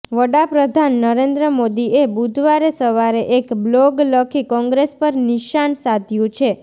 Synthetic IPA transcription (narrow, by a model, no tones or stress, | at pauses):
ʋəɽapɾəd̪ʱanːəɾend̪ɾəmod̪iebud̪ʱʋaɾesəʋaɾeʔekblɔɡləkʰikɔ̃ŋɡɾespəɾnɪʃansad̪ʱjũt͡ʃʰe